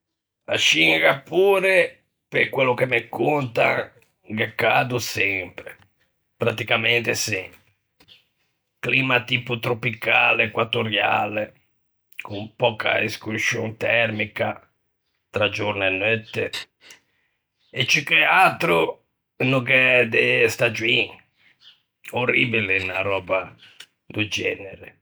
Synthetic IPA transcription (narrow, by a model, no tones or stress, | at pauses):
a̰ʃiŋɡapːuːɾe | pekwɛlːʊkemekːont̪a̰ | ɡekːaːd̪usɛmpɾe | pɾat̪ikamɛnt̪esɛ | kliːmat̪iːput̪ɾopikalekwat̪ːoɾja̰le | kumpɔːka̰iskusjo̰nt̪ɛɾmika | t̪ɾad͡ʒoɾnɛnːøt̪ːe | et͡ʃːikeat̪ɾu | nukɛd̪est̪ad͡ʒuiŋ | oribilenaɾɔːba | d̪ud͡ʒɛːneɾe